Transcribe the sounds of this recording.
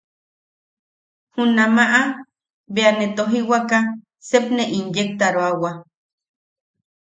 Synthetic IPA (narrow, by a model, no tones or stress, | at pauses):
hunamaʔa | beanet̪oɦiwaka | sepneʔinjek̚t̪aɾoawa